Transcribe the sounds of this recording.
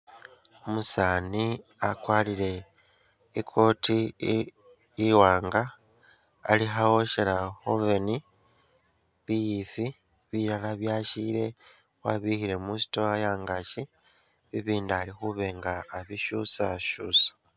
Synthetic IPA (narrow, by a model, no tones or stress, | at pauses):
omusaːniakwaːlile̞ | ikʰo̞ti | iwaːŋɡaː | lixawo̞ʃelahove̞ni | βijifi | βiɾalaβjaʃiɾe̞ | waβihiɾe̞musi̥toajaːŋɡaʃi | βiβiːndalixuβe̞ŋɡaːβiʃusaʃuːsḁ